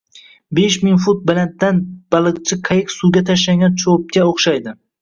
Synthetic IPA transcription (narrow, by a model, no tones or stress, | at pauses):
beʃmɪŋfʊt̪̚bɪlat̪̚d̪anb̥alˠɨq̚t͡ʃʰɪqʰajɪksuɡʲat̪ʰaʃlaŋɡʲant͡ʃʰop̚kʲaoχʃajd̪ɪ